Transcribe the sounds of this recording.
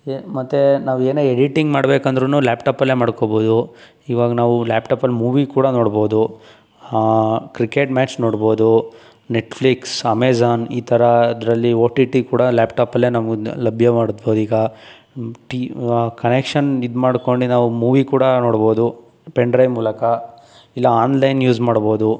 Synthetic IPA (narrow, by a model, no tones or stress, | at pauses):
emɐt̪ːenaːʋueːneːeɽiʈiŋɡmaːɽbeːkɐnd̪ɐɾunuːlaːpʈaːpɐlːeːmaːɽkobo̞ːd̪u | iːʋaːɡɐnaːʋulaːpʈaːpɐlːmuːʋikuːɽɐno̞ːɽbo̞ːd̪u | kɾikeːʈmaːt͡ʃno̞ːɽbo̞ːd̪u | neʈfʰliksɐmeːzaːniːt̪ʰɐɾɐd̪ɾɐlːioːʈiʈikuːɽɐlaːpʈaːpɐlːeːnɐmɐɡulɐbʱjɐmaːɽd̪boːd̪iːɡɐ | ʈikɐnekʂɐnid̪maːɽko̞ɳɖinaːʋumuːʋikuːɽɐnoːɽboːd̪u | peɳɖɾɐjmuːlɐkɐ | ilːɐaːnlɐjnjuːd͡ʒmaːɽbo̞ːd̪u